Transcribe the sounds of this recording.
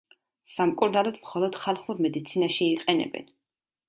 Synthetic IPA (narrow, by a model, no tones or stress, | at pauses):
samkʼuɾnalˠɔd̪mχɔlˠɔd̪̥χalˠχuɾmɛd̪it̪sʰinaʃiːqʼɛnɛ̰bɛ̰n